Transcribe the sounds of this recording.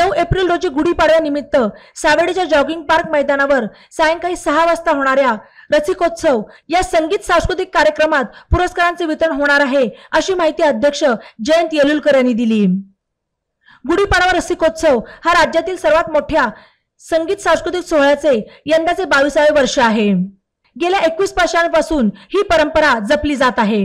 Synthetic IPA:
nəwepɾilɾod͡ʑiːɡuɽipaɽjanimit̪ːəsaʋeɽit͡ɕjad͡ʑɔɡiŋɡ̚paɾkməjd̪anaʋəɾ | sajəŋkaɦiːsəɦaʋast̪aɦoɽ̃aɾjaɾəsikot̪sʰəwjasəŋɡiːt̪sãw̃skɾut̪̬ikːaɾjəkɾəmat̪puɾəskaɾant͡seʋit̪ɾəɳɦoɽ̃aɾaɦeəɕiːmaɦit̪iːəd̪ʱjəkʂəd͡ʑəjənt̪jeluːlkəɾjaniːd̪iliː | ɡuɽiːpəɾaʋaɾəsikot̪səʋhaɾad͡ʑjat̪iːlsəɾʋat̪moʈʰja | səŋɡiːt̪sãw̃skɾut̪iksoɦɭjat͡sejənd̪at͡sebaʋiːsaʋeʋəɾʂəaɦe | ɡeljaʔekʋiːspəɕãnpasuːnhiːpəɾəmpəɾad͡zəpliːd͡zat̪aɦe

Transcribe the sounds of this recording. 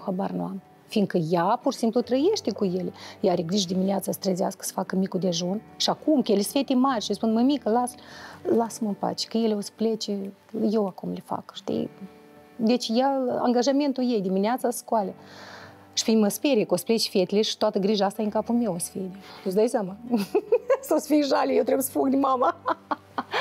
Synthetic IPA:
xabarnam | fiŋkəjapursimplut̪ɾəje̞ʃt̪ekuje̞lejaɾeɡɾiʒd̪imineat̪sasə̥t̪ɾəzea̰skə̥sə̥fakəmikud̪eʒun | ʃiakumkəjelʲesfe̞t̪emarʲʃispunməmikəlaslasəmɨmpa̰t͡ʃe̥kəje̞leo̞sə̥plet͡ʃe | jewakumlefa̰kʃt̪ḭj | d̪e̞t͡ʃʲjaa̰ŋɡaʒame̞nt̪ujejd̪imineat̪sasə̥skoalʲe | ʃi̥fʲiməspeɾekosə̥ple̞t͡ʃfiet̪ʲileʃi̥t̪oat̪əɡɾiʒaast̪ajeŋkapume̞wosə̥fed̪et̪usd̪ajsʲjama | sosəfiʒalʲejewt̪ɾebjsə̥fukd̪imama

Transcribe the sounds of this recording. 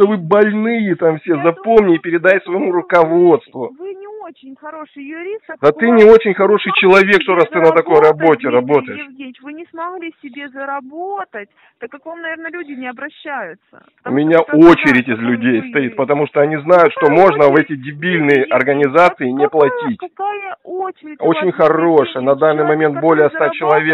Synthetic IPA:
ʂt̪ovɨbɐlʲnɨjɪt̪amfsʲe̞zɐpo̞mnʲɪːpʲɪɾʲɪd̪ajʲsvəjɪmuɾʊkɐvo̞t̪st̪vʊvɨnʲɪot͡ɕɪnʲxɐɾoʂɨjjʊɾʲist̪d̪at̪ɨnʲɪo̞t͡ɕɪnʲxɐɾo̞ʂɨjt͡ɕɪlˠɐvʲe̞kʂt̪oɾast̪ɨnət̪ɐko̞jɾɐbo̞tʲɪɾɐbo̞t̪əjɪʂʲenɪt͡ɕvɨnʲɪsmɐɣlʲisʲɪbʲezəɾɐbot̪ətʲ | t̪akːakvamnɐvʲernəlʲʉdʲɪnʲɪɐbɾɐɕːæjʊt̪sə̰ | ʊ̰mʲɪnʲaot͡ɕɪɾʲɪtʲɪzlʲʉdʲejst̪ɐit̪̚pət̪ɐmuʂt̪oɐnʲiznajʊt̪ʂt̪omo̞ʐnəvɛtʲɪdʲɪbʲilʲnɨjəʔɐrɡənʲɪzat̪sɨɪnʲɪplˠɐtʲitʲkajəoo̞t͡ɕɪnʲxɐroʂəjənɐd̪anːɨjmɐmʲe̞nt̪bo̞lʲɪjəst̪at͡ɕɪlˠɐvʲe

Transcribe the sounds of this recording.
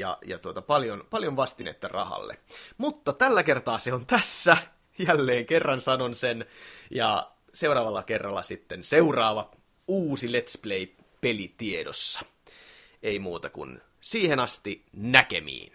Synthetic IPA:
jɑ̰jɑ̰t̪uot̪ɑpɑljonpɑljonʋɑst̪inḛt̪ːɑrɑ̰hɑ̰lːḛmut̪ːɑt̪ælːækert̪ɑːseont̪æsːæ | jælːeːŋkerːɑnsɑnonsenjɑ̰ | seuɾɑːʋɑlːɑkerːɑlːɑ̰sit̪ːenseurɑːʋɑ | uːsilet̪splei | pelit̪iedosːɑ̥ | eimuːt̪ɑkṵn | siːhenɑst̪inækḛmḭːn

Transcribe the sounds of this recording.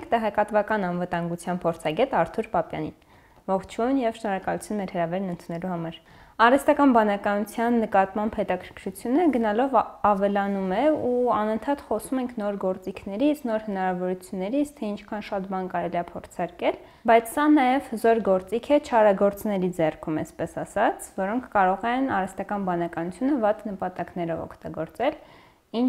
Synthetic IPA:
kt̪ɛʁɛkɑt̪vɑkɑnɑnvət̪ɑŋɡut͡sʰjɑnpʰɔɾt͡sʰɑɡɛt̪ɑɾt̪ʰuɾpɑpjɑ̰nḭn | vɔχt͡ʃʰujnjɛvʃnɔɾɑkɑlut͡sʰjunmɛɾhəɾɑvɛɾnənt̪ʰunɛluhɑmɑɾ | ɑrɛst̪ɑkɑnbɑnɑkɑnut͡sʰjɑnːəkɑt̪mɑmbhɛt̪ɑkʰəɾkʰɾut͡sʰjunəɡənɑlɔvɑvɛlɑnumɛuɑnənt̪ʰɑt̪χɔsumɛŋkʰnɔɾɡɔɾt͡sikʰnɛɾit͡sʰnɔɾhənɑɾɑvɔɾut͡sʰjunːɛɾit͡sʰt̪ʰɛint͡ʃʰkʰɑnʃɑt̪bɑnkɑɾɛliɑpʰɔɾt͡sʰɑɾkɛl | bɑjt͡sʰsɑnɑjɛvhəzɔɾɡɔɾt͡sikʰɛt͡ʃʰɑɾɑɡɔɾt͡snɛɾid͡zɛrkʰumɛ̰spɛsɑsɑt͡sʰvɔɾɔŋkʰːɑɾɔʁɛnɑrɛst̪ɑkɑnbɑnɑkɑnut͡sʰjunəvɑt̪nəpɑt̪ɑknɛɾɔvɔ̰kʰt̪ɑɡɔɾt͡sɛl | in

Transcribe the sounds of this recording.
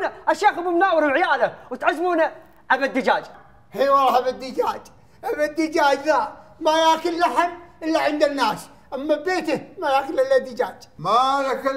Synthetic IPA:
naʔaʃaːxbɪmnaːwɪɾʕɪjaːlawɪt̪ʕazːmuːna | ʕabad̪ːɪd͡ʒaːd͡ʒ | hiːwɑlˤhabad̪ːɪd͡ʒaːd͡ʒ | ʔabad̪ːɪd͡ʒaːd͡ʒðamajaːkɪlːaħamʔɪlːaʕɪnd̪anːaːs | ʔamːabeːt̪ɪmajaːkɪlʔɪlːad̪ːɪd͡ʒaːd͡ʒmalak

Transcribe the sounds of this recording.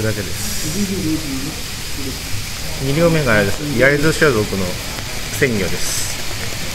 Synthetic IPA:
ɯd̪ake̞d̪esɨ̥ | ɲ̟iɾʲo̞ːme̞ɡaːɾed̪esjaɾʲizoɕiazokɯ̟no̞ | sẽ̞ŋɡʲo̞̰ːd̪e̞sɨ̥

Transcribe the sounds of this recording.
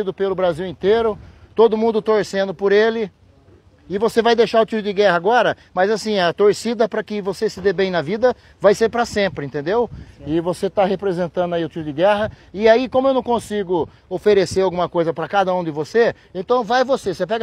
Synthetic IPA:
id̪ʊpelʊbɾaziwẽnt̪eɾʊt̪od̪ʊmũnd̪ʊt̪oɾsẽnd̪ʊpoɾelɪ | ɪvosevajd̪ejʃaɾʊt͡ʃ̪iɾʊd͡ʒɪɡɛhɐaːɡɔɾɐ | mɐzasĩɐt̪oɾsid̪ɐpɾɐkɪvosesɪd̪ebẽj̃nɐvid̪ɐ | vajseɾpɾɐsẽmpɾɪẽt̪ẽnd̪ewɪvoset̪aɦepɾezẽnt̪ɐ̃nd̪ʊaiʊtt͡ʃ̪iɾʊd͡ʒɪɡɛɦɐ | ɪaikõmʊewnɐ̃w̃kõsiɡʊ | ofeɾeseɾawɡũmɐkojzɐpɾɐkad̪ɐũd̪ɪvose | ẽnt̪ɐ̃w̃vajvosesepɛɡ

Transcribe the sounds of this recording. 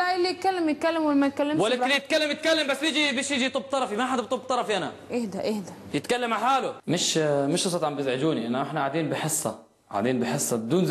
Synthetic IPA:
aʔɪlːijɪt̪̚kalːemjɪt̪̚kalːemwɪlmæjt̪̚kalːemwalːaɪlːjɪt̪̚kalːamjɪt̪̚kalːambasːjiːd͡ʒibeːʃjid͡ʒit̪ˤub̚ːt̪ˤɑɾˤɑfimaʔħad̪bt̪ˤubt̪ˤɑɾˤɑfiʔanaʔehd̪æʔehd̪æ | jɪt̪kalːamʕaħaːlʊmɪʃmɪʃɑsˤɑt̪ʕambɪzʕɪd͡ʒuːniʔanːaʔɪħnaʕaʕd̪iːnbɪħɪsˤːɑ | ʕa̰ʕd̪iːnbɪħɪsˤːɑbɪd̪uːnz

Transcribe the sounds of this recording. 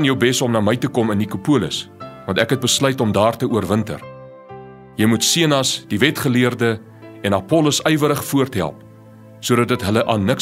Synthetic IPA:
njəwbɛsɔmnɑːməjtəkɔmənːikupuələ̰svɐntækɦɛt̚bəslœɥtɔmdɑːrtəuərvəntə̰r | jəjmutsiənɐsd̥ivɛtχəliərdə | ɛnɐpɔləsœjvəɾəχfuərtɦæ̰lˠp̚ | suədɐt̚dətɦələʔɑːnːək

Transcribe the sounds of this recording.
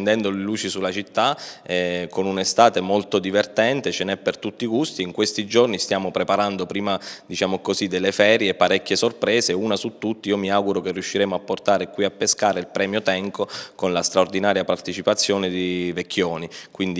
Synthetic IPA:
nd̪ɛnd̪oleluːt͡ʃisulːat͡ʃit̪ːaɛkonunest̪aːt̪emolt̪od̪ivert̪ɛnt̪et͡ʃenɛpːert̪ut̪ːikust̪iːŋkwest̪id͡ʒornist̪jaːmopɾepaɾand̪opɾiːmad̪it͡ʃaːmokozid̪elːefɛːɾjeːpːaɾɛkːesorpɾɛːzeuːnasut̪ːut̪ːiiːomiawɡuɾokerːiuʃːiɾɛːmoapːort̪aːɾekwiapːeskaːɾeilpɾɛːmjot̪ɛŋkokonlast̪ɾaord̪inaːɾjapart̪et͡ʃipat̪sːjoːned̪ivekʰːjoːnikwind̪i

